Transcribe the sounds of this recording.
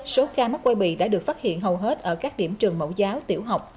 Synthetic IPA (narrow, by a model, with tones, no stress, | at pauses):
so˨˦kaː˧mə˦˥kwa˧jɓḭ˧˨ɗa̰ː˧˥ɗɨ˨˩ək̚faː˦˥t̚hḭ˧˨ənɦə˨˩wɦe˦˥t̚ʔəː˧˩kaː˦˥k̚ɗḭ˧˩əmt͡ɕɨ˨˩əŋmo̰˧˥wzaː˨˦wt̪ḭ˧˩əwɦa˨˩wk͡p̚